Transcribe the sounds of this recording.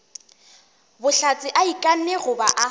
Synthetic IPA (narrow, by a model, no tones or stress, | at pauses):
bʊɬat͡sʼɪʔaikʼan̩nɛɣʊbaʔa